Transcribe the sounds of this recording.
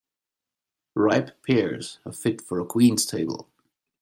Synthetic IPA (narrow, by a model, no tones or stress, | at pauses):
ɹaɪppʰɪɹz̥ə̰fɪtfə˞əkʰw̥ĩnz̥tʰeɪbə̰l̩ˠ